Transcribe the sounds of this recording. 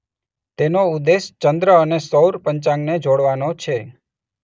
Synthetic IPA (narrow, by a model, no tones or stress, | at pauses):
t̪enoud̪est͡ʃənd̪ɾəənesəwɾpəɲt͡ʃãŋɡned͡ʒoɽʋanot͡ʃʰe